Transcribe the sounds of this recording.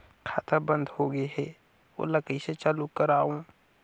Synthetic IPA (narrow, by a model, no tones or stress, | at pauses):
kʰaːt̪abə̃nd̪hoːɡəeɦɛ | o̰ːləkiset͡ʃalukəɾaːũː